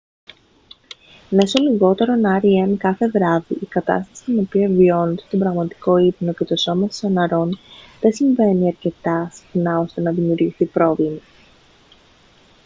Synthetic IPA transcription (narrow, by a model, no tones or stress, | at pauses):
neso̞liɣo̞t̪e̞ɾo̞nɐɾieɐnkɐθe̞ðɾɐviʔikɐt̪ɐ̰st̪ɐ̥si̥t̪ino̞piɐvio̞nod̪e̞st̪o̞bɾɐɣmɐt̪i̥ko̞ipno̞ce̞t̪o̞so̞mɐsi̥sonɐɾo̞nðe̞siɱve̞niɐɾce̞t̪ɐsi̥xnɐo̞st̪e̞nɐðimiuɾʝiθipɾo̞vimɐ